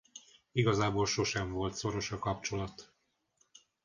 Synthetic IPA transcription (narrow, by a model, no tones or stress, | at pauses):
iɡɒzaːbolʃo̞ʃɛɱvo̞lt̪so̞ɾo̞ʃɒkɒp̚t͡ʃo̞lɒt̪